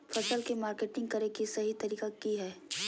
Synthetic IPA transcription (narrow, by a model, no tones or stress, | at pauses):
fʰɐsəlkemaːɾkeːʈɪ̃ŋɡ̚kɐɾekisɐɦit̪ɐɾiːkakiɦɛː